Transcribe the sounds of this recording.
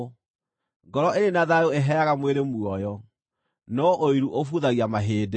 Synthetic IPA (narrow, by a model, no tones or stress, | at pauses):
ŋɡɔɾɔʔenenaðajoeɦɛaɣamweɾemuɔjɔ | nɔʔoiɾuʔofuðaɣiamaɦeːd